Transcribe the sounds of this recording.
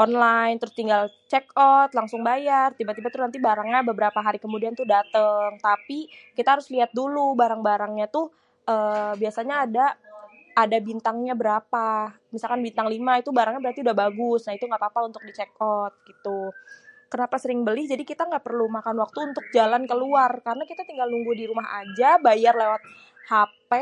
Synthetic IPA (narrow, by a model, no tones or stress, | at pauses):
ʔɔnlajnt̪əɾʊst̪iŋɡalt͡ʃɛkɔt̪laŋsʊŋbajart̪ibat̪ibat̪ʊnant̪ibaɾaŋɲabəbəɾapaɦaɾikəmudiant̪ʊhdat̪əŋt̪apikit̪aɦaɾʊsliat̪̚dulubaɾaŋbaɾaŋɲat̪ʊh | ʔəːbiasaɲaːdaː | dabint̪aŋɲabəɾapa | misalkanbint̪aŋlimait̪ubaɾaŋɲabəɾart̪iudahbaɡʊsnahit̪uŋɡaʔpapaunt̪ʊk̚dit͡ʃekɔt̪̚ɡ̥it̪u | kənapasəɾɪŋbəlɪhd͡ʒadikit̪aŋɡaʔpərlumakanwak̚t̪uːnt̪ʊk̚d͡ʒalankəluarkaɾənakit̪at̪iŋɡalnuŋɡudiɾumaɦa̰d͡ʒabajarlewat̪̚ | happɛ